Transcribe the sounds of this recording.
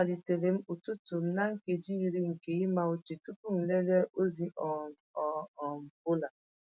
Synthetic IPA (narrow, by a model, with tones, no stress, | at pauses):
a˨di˨te˨ɾe˨m̩˦o˨tu˦to˨m̩˦na˦ŋ̩˦ke˨di˦i˦ɾi˦ŋ̩˨ke˨i˦ma˦o˦t͡ʃi˨tu˦pu˦m̩˨le˦ɾe˦o˦zi˦ʔɔ˨ | ɔ˨m̩˨bʊ˦la˨